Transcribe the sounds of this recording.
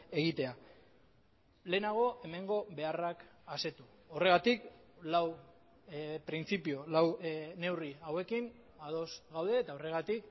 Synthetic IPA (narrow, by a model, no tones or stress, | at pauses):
e̞ɣ̞it̪e̞a | le̞ːnaɣ̞o̞ʔe̞me̞ŋɡo̞βe̞arakase̞t̪u | o̞re̞ɣ̞at̪iklaw | pɾint͡sipiolawne̞wriawe̞kin | að̞o̞sɣawðe̞ːt̪ao̞re̞ɣ̞at̪ik